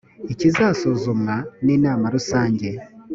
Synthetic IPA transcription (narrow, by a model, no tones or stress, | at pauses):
ecizaːso̞zomŋaneːnaːmaɾusaːɲɟe̞